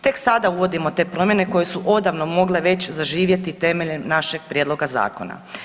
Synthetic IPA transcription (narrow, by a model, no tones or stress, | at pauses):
t̪e̞ksad̪auʋo̞d̪imo̞t̪e̞ːpɾo̞mje̞ne̞ko̞je̞suʔo̞d̪aʋno̞mo̞ɡle̞ʋe̞t͡ɕzaʒiːʋje̞t̪it̪e̞me̞ʎemnaʃe̞ɡ̥̚pɾʲjed̪lo̞ɡaza̰ːko̞̰na̰